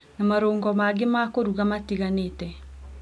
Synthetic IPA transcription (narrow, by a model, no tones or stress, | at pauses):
namaɾoːŋɡɔmaɡemakoɾuɣamatiɣanetɛ